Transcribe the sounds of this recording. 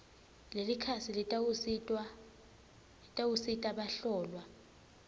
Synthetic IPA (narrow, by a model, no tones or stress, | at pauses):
lelikʰasilitʼsʼ | tʼawusitʼaɓaɬɔːlwa